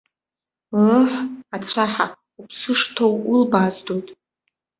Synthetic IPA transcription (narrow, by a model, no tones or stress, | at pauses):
rɨħat͡sʷʰaħa | upʰsɨʂtʰowulbazdojtʼ